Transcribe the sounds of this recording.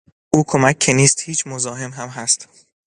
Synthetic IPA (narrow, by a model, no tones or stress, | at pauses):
ʔuːkʰo̞mæcʰːe̞niːst̪hiːt͡ʃʰmozɒːɦe̞mɦæmɦæst̪